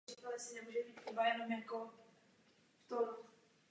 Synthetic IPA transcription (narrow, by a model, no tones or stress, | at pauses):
it̪olɛsɪnɛmuːʒɛbiːt̪ibajɛnomjako | ft̪o